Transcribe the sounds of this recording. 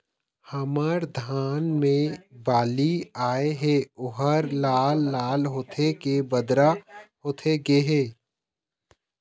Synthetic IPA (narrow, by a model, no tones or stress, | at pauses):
hɐməɾd̪ʱaːnmẽbaːliaːeɦɛːʊɦəɾlaːlːaːlɦoːt̪ʰekebəd̪ɾahoːt̪ʰeɡeɦeː